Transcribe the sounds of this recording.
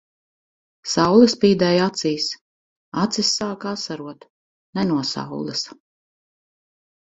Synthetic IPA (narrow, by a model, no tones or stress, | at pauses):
sawlˠɨspiːd̪ɛːjat̪siːs | at̪sisːaːkasaɾuɔt̪ | nɛnuɔsa̰wlˠɨs